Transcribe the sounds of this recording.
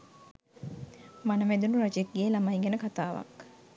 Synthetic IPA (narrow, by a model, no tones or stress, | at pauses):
manəʋæd̪unuɾad͡ʒek̚ɡeːlamajɡɛnəkat̪aːʋa̰k